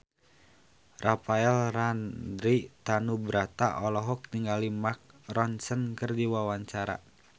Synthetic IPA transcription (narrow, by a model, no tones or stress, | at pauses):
rʔapaɛlrandɾit̪anubɾat̪aʔɔlɔɦɔk̚niŋɡalimak̚rɔnsənkərdiwawaɲt͡ʃaɾa̰